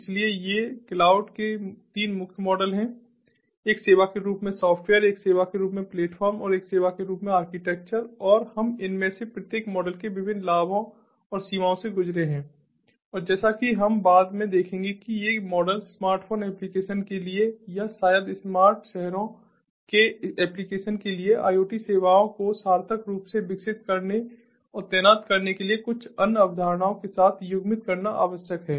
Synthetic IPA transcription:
ɪsliejeklaːʊɖket̪iːnmʊkʰjmɔːɖəlɦɛ̃ː | kseːʋakeɾuːpmẽsɔːfʈweːəɾeːkseːʋakeɾuːpmẽpleːʈfʰɔːɾmɔːɾeːkseːʋakeɾuːpmẽaːɾkɪʈɛːk̚t͡ʃəɾɔːɾhɐmɪnmẽsepɾət̪jeːkmɔːɖəlkeʋɪbʱɪnːlaːbõ | ɔːɾsiːmaːõseɡʊd͡ʒɾeɦɛ̃ː | ɔːɾd͡ʒɛːsakiɦɐmbaːd̪mẽd̪eːkʰẽːŋɡekijemɔːɖəlsmaːɾʈfʰoːnɛːplikeːʃənkeliejasaːjəd̪ɪsmaːɾʈʃɛɦɾõ | keɛːplikeːʃənkelieʔa̰ːioːʈiseːʋaːõkosaːɾt̪ʰəkɾuːpseʋɪksɪt̪̚kɐɾne | ɔːɾt̪ɛːnaːt̪kɐɾnekeliekʊt͡ʃʰɐnɐbd̪ʱaːɾñaːõkesaːt̪ʰjʊɡmɪt̪kɐɾnaʔa̰ːʋəʃjəkɦɛː

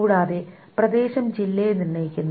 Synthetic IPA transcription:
ɽaːðe | prɐd̪e̞ːɕɐmd͡ʑilːejnirɳɐjikʲːunː

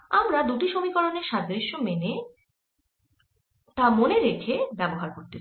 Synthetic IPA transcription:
amɾad̪uʈiʃomikɔɾoneɾʃad͡ʑɾiʃomene | t̪amoneɾekʰebɛboɦaɾkoɾt̪e

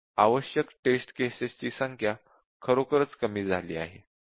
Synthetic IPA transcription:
aʋəɕjəkʈesʈkesest͡ɕiːsəŋkʰja | kʰəɾokəɾət͡skəmiːd͡zʱaliːaɦe

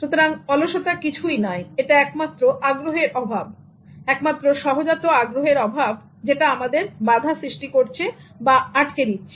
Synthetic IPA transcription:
ʃut̪oɾaŋɔloʃot̪akit͡ɕʰujnaeeʈaɛkmat̪ːɾoʔaɡɾoɦeɾɔbʱab̚ | ɛkmat̪ːɾoʃɔɦod͡ʑat̪ːoaɡɾoɦeɾɔbʱab | d͡ʑeʈaamad̪eɾbad̪ʱasɾiʃʈikoɾt͡ɕʰebaaʈked̪it̪ːt͡ɕʰe̥

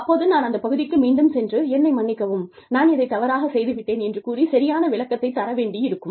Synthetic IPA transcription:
ɐpːoːðɯnaːnɐnd̪ɐpɐɣɯðɪkːɯmiːɳɖɯmsɛndrɯɛnːɐɪmɐɳːɪkːɐʋɯm | naːnɪðɐɪt̪ːɐʋɐɾaːɣɐsɛjðɯʋɪʈːeːnɛndrɯkuːrisɐɾɪjaːnɐʋɪɭɐkːɐt̪ːɐɪt̪ːɐɾɐʋeːɳɖiɪɾɯkːɯm

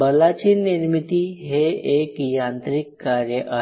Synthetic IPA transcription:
bəlat͡ɕiniɾmit̪iɦeekjant̪ɾikːaɾjəʔa

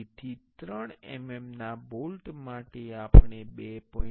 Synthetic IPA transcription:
t̪ʰit̪ɾəɳḛmemnabolʈmaʈeapɳebepɔ̃

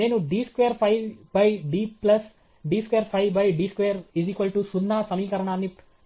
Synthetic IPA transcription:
eːnuɖiːskʋejəɾpʰaɪbɐjɖiːplɐs | ɖiːskʋeːɾpʰaɪʋbɐjɖiːskʋeːəɾiziːkʋəlʈusunːaːsɐmiːkɐɾɐɳaːnːi

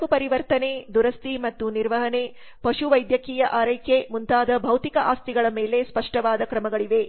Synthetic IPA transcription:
kupɐɾiʋɐɾt̪ɐned̪uɾɐst̪imɐt̪ːuniɾʋɐɦɐne̞ | pɐʂuʋɐjd̪jɐkiːjɐʔaːɾɐjkʰjemunt̪aːd̪ɐbʱɐwt̪ikɐʔaːst̪iɡɐɭɐmeːlespɐʂʈɐʋaːd̪ɐkɾɐmɐɡɐɭiʋe̞

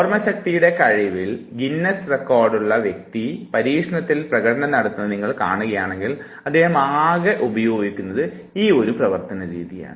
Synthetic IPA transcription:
ormɐɕɐk̚t̪ijuɽe̞kɐɻiʋilɡinːɐsrekːoːrɖuɭːɐʋjek̚t̪ipɐɾiːkʂɐɳɐt̪ːilprɐɣɐʈɐnɐnɐɽɐt̪ːunːɨniŋːɐɭka̰ːɳuɣɐjaːɳe̞ŋɡil | ɐd̪ːe̞ːhɐmaːɡɐʔubɐjo̞ːɡikʲːunːɐðɨ | iːo̞ɾuprɐʋɐrt̪ɐnɐɾiːðija̰ːɳɨ

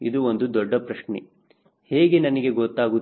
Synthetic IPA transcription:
id̪uond̪ud̪ɔɖːɐpɾɐʃɳe | heːɡenɐnɐɡe̞ɡɔt̪ːaːɡu

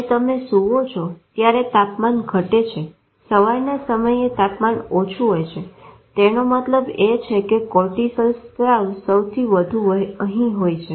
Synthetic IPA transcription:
et̪əmesuʋot͡ʃʰot̪jaɾet̪apmanɡʱəʈet͡ʃʰe | səʋaɾnasəməjet̪apmanot͡ʃʰuɦojt͡ʃʰe | t̪enomət̪ləbet͡ʃʰekekɔʈisəlst̪aʋsəwt̪ʰiʋəd̪ʱũəɦĩɦojt͡ʃʰe

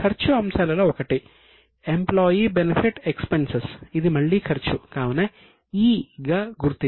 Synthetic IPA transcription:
kʰɐɾt͡ʃuɐmsaːlɐloːɔkɐʈi | emploːjibenepʰiʈekspensesid̪imɐɭːikʰɐɾt͡ʃukaːʋɐnɐ | iːɡaɡuɾt̪i

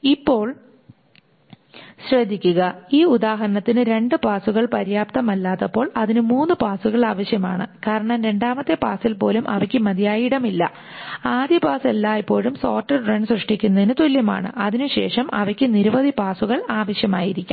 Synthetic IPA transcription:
ipːo̞ːɭ | ɕrɐd̪ʱːikʲːuɣɐiːud̪aːɦɐɾɐɳɐt̪ːinɨɾe̞ɳɖɨpaːsuɣɐɭpɐɾjaːp̚t̪ɐmɐlːaːt̪ːɐpːo̞ːɭɐðinɨmuːnːɨpaːsuɣɐɭaːʋɐɕjɐmaːɳɨkaːɾɐɳɐmɾe̞ɳɖaːmɐt̪ːe̞paːsilpo̞ːlumʔɐʋɐkʲːɨmɐd̪ijaːjiɽɐmilːɐ̰ | aːd̪jɐpaːselːaːipːo̞ːɭumso̞ːrʈːɐrrɐɳɖsrɐʂʈikʲːunːɐðinɨt̪oljɐma̰ːɳɨ̰ʔɐðinuɕḛːʂɐmʔɐ̰ʋɐkʲːɨniɾuʋɐðʱipaːsuɣɐɭaːʋɐɕjɐma̰ːjiɾikʲːum

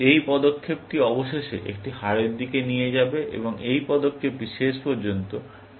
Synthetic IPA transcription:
ejpɔd̪okʰːep̚kiɔboʃeʃḛʔḛk̚ʈiɦaɾeɾd̪ikenijed͡ʑabeʔḛboŋejpɔd̪okʰːepbiʃeʃpɔɾd͡ʑont̪o

